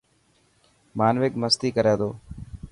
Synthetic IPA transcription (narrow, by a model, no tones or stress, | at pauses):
maːnʋɪkməst̪iːkəɾẽːt̪oː